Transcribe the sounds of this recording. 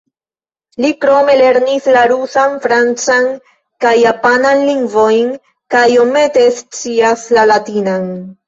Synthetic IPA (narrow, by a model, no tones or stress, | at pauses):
likɾo̞me̞le̞ɾnislaɾusanfɾant͡san | kajːapananliŋɡvo̞jn | kajo̞me̞te̞st͡siaslalatinan